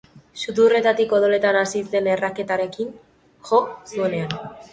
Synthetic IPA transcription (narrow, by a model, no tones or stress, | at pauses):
sut̪ure̞t̪at̪iko̞ð̞ole̞t̪anasise̞ne̞rake̞t̪aɾe̞kin | ʝo̞sue̞ne̞an